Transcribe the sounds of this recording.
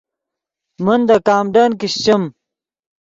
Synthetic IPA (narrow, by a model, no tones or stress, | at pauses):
mɐnd̪ɐkaːmɖankiɕt͡ɕɐm